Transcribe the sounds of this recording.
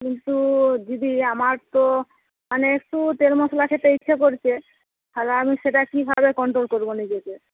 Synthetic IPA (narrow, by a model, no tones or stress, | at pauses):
kint̪ud͡ʑid̪iamaɾt̪o | maneekʈut̪eɾmoslakʰet̪eitːʃʰekoɾt͡ɕʰe | tʰalamiʃeʈakibʱabekɔɳʈɾolkoɾbonid͡ʑeke